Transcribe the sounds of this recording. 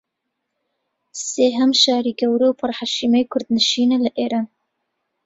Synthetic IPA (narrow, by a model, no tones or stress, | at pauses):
seːɦɐmʃaːɾiːɡɐwɾoːpʰɨrhaʃiːmejkʰʊɾd̪nɨʃiːnelɨʔeːɾaːn